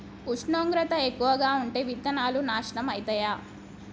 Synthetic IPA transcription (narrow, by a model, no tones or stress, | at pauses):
kuʂɳoːŋɡɾɐt̪ɐekːuʋɐɡaːuɳʈeːʋit̪ːɐnaːlunaːʂɐɳɐmɐjit̪ɐjaː